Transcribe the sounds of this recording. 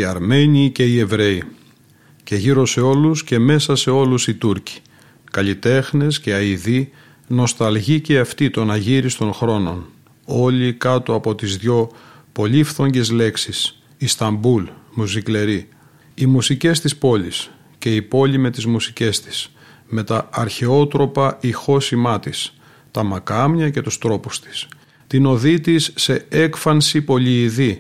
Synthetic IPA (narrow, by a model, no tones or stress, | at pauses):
iɐɾme̞nice̞ie̞vɾe̞i | ce̞ʝiɾo̞se̞o̞lusce̞me̞sɐse̞o̞lusit̪uɾci̥ | kɐʎit̪e̞xnesce̞ɐiði | no̞st̪ɐlʝiceɐft̪it̪o̞nɐʝiɾist̪o̞nxɾo̞no̞̰n | o̞likɐt̪oɐpo̞t̪izðʝo̞ | po̞lifθo̞ɲɟe̞zle̞ksis | ist̪ɐmbulmusikle̞ɾi | imusice̞st̪ispo̞lis | ce̞ipo̞lime̞t̪izmusice̞st̪i̥s | me̞t̪ɐɐɾçeo̞t̪ɾo̞pɐixo̞simɐt̪is | t̪ɐmɐkɐmɲɐce̞t̪ust̪ɾo̞pust̪i̥s | t̪ino̞ðit̪isːe̞ekfɐnsipo̞liːði